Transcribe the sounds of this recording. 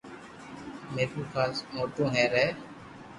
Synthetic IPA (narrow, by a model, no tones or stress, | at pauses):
meːɾuːkʰaːsmoːʈõːɦɛ̃ːɾɛː